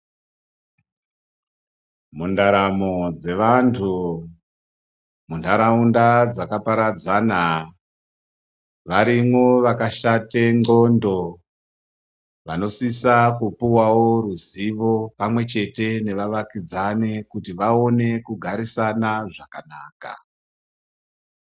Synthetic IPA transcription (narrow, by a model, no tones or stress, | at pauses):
mundaɾamod͡ze̞ʋantʰu | mundaɾaundad͡zakapaɾad͡zana | ʋaɾimwo̞ʋakaʃate̞ŋo̞ndo̞ | ʋano̞sisakupuwawo̞ruziʋo̞pamwe̞t͡ʃe̞te̞ne̞ʋaʋakid͡zane̞kutiʋao̞ne̞kuɡʱaɾisanaʐakanaːka̰